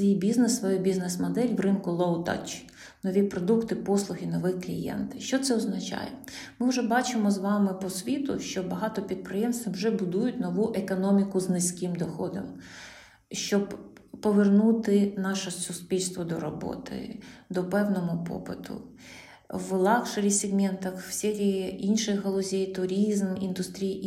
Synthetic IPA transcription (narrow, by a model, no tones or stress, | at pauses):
ijbʲiznesʋɔjɛbʲiznesmɔd̪ɛlʲwrɪnkʊlˠɔwt̪a̰t͡ʃ | nɔʋʲipɾɔd̪ukt̪ɪpɔslˠʊɦɪnɔʋɪxklʲḭjɛ̰nt̪ʃt͡ʃɔt̪sɛɔznɐt͡ʃɑ̰jɛ̰mɪwʒɛbɑt͡ʃɪmɔzʋɑmɪpɔsʲʋʲit̪ʊ̰ʃt͡ʃɔbɐɦɑt̪ɔpʲid̪̚pɾɪjɛmst̪ʲʋiwʒɛbʊd̪ujʊtʲnɔʋuʔekɔnɔmʲikʊznɪsʲkɪmd̪ɔxɔd̪ɔ̰m | ʃt͡ʃɔb | pɔʋernut̪ɪnɑʃɛsʊspʲilʲst̪ʋɔd̪ɔɾɔbɔ̰t̪ɪ̰d̪ɔpɛwnɔɦʊpɔ̰pɪt̪ʰʊ̰ | ʋlˠɑkʃɐɾʲisʲɪɡmɛnt̪ɐxw̥sʲɛɾʲijiinʃɪxɦɔlˠɔzʲɛjt̪ʊɾʲizmind̪ʊst̪ɾʲij